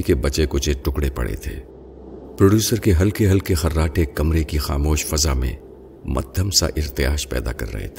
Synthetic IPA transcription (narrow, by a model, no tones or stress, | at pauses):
ikebɐt͡ʃekʊt͡ʃeʈʊkɽepɐ̰ɽḛt̪ʰḛː | pɾoːɖjuːsəɾkeɦɐlkeɦɐlkexɐɾːaːʈʰekɐmɾekixa̰ːmoːʃfɐzamḛ̃ | mʔɐ̰d̪ʱəmsa̰ʔɪɾt̪ɪja̰ːʃpɛ̰ːd̪a̰kɐ̰ɾːɐ̰ɦḛt̪ʰeː